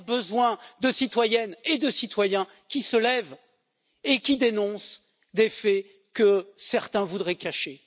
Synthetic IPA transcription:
bəzwɛ̃d̪əsit̪wajɛned̪əsit̪wajɛ̃ | kʲisəlɛv | ekʲid̪enɔ̃s | d̪efɛ | kəsɛʁt̪ɛ̃vud̪ʁɛkaʃe

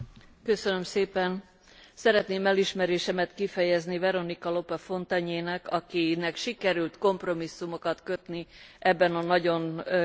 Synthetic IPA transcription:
kø̞sønø̞mseːpɛn | sɛɾɛt̪neːmɛliʃmɛɾeːʃɛmɛt̪kifɛjɛznivɛɾo̞nikɒlo̞pɒfo̞nt̪ɒɲeːnɛkɒkinɛkʃikɛɾylt̪ko̞mpro̞misːumo̞kɒt̪kø̞t̪niʔɛbːɛnɒnɒɟo̞n

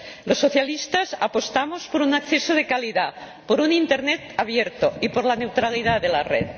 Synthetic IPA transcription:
losːoθjalist̪asa̰post̪amospoɾunakθesoðekaliða | poɾunint̪eɾnet̪aβ̞jeɾt̪oipoɾlane̞wt̪ɾaliðaðelarḛt̪

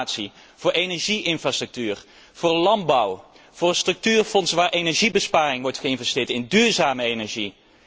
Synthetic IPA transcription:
tsi | v̥ʊːɹejnɛɹʒiʔɪnfraːstrɵk̚tyːr | v̥ʊːɹlɑnbɑw | v̥ʊːrstrɵk̚tyːrfɔnsʋaːɹʔejnɛɹʒibəspaːrɪŋʋɔɹtχəɪnvɛstɪːɹtɪndyːɹzaːməejnɛɹʒi

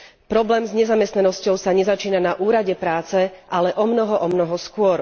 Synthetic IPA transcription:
pɾɔblɛːmzɲɛzamɛst̪nanɔscɔʊsaɲɛzat͡ʃiːnanaʔuːɾaɟɛpɾaːt͡sɛʔalɛʔɔmnɔɦɔʔɔmnɔɦɔskʊɔɾ

